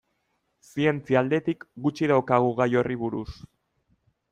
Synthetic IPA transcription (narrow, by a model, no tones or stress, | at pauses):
sie̞nt͡siald̪e̞t̪ikɡut͡ʃiðawkaɣ̞uɣajo̞riβuɾus